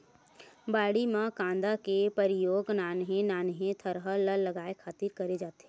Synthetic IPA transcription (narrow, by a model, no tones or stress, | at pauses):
baːɽimãkãːnd̪akepəɾɪjoːɡnaːnɦẽnaːnɦẽt̪ʰəɾɦələlːəɡaːekʰaːt̪ɪɾkɐɾed͡ʒaːt̪e̥ɦɛ